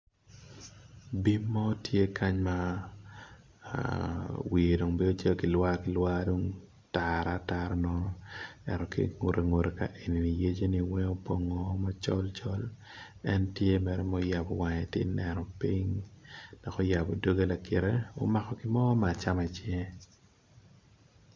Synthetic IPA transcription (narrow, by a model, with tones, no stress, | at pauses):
bi˦mːɔ˦tje˦ka˦ɲma˦ | a̰˨wi˨e˨do˨ŋbe˦o˦t͡ʃɛ˦kɪ˨lwa˦kɪ˨˦lwa˦do˦ŋ | ta˨ɾa˨ta˦ɾnɔ˦ɛ̰˨ɾɔ˨kḭ˦ŋo˨ɾʔe˨ŋo˨ɾe˨ka̰˦ʔe˨ni˨ni˨je˦d͡ʒe˦ni˦wɛ˦ŋo˦po˦ŋɔ˨˦ma˦t͡ʃɔ˦lt͡ʃɔ˦l | ɛ˦ntje˦mɛ˨ɾɛ˦mɔ˦ja˨bɔ˨wa˨ɲɛ˨tɪ̰˦nɛ˨nɔ˨pi˦ŋd̥ɔ˨kɔ˦ja˨bo˨do˦ɡe˦la˨kɪ˨ɾe˦o̰˦ma˨kɔ˨kɪ˦mɔ˦ma˨t͡ʃa˦ma˨t͡ʃe˦